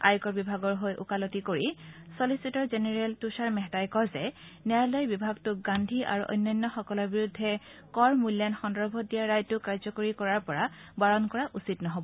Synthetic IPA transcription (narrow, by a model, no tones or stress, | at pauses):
a̰jkɔɹbibʱaɡɔɹɦojʔʊ̰kalɔtikoɹisolisitɔɹzenɛɹɛltusaɹmɛɦtajkɔzɛnɛɹlɔjbibʱaɡtʊɡandʱiʔa̰ɹṵʔɔ̰jnːɔjnːɔxɔkɔlɔɹbiɹudʱːɛkɔɹmulːjanxɔndɔbʱɔdijaɹajtʊkaɹzɔkoɹikɔɹaɹpɔɹabaɹɔnkɔɹaʔusitnɔɦobɔ